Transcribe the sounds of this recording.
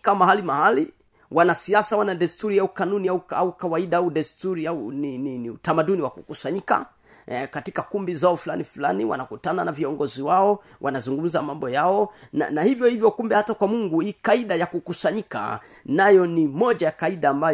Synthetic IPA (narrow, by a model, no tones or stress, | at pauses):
kamaɦalimahali | wʔanasiasawanaɗɛstuɾiaukanuniauaukawaiɗaauɗɛstuɾiaunininiutamaɗuniwakukusaɲika̰ | katikakumbizaɔfulanifula̰niwa̰nakutananaviɔŋɡɔziwaɔ | wʔa̰nazuŋɡum̩zamambɔjaɔna̰nahivjɔhivjɔkumbɛhatakwamuŋɡuikaiɗajakukusaɲika̰ | najɔnimɔʄajakaiɗaːmba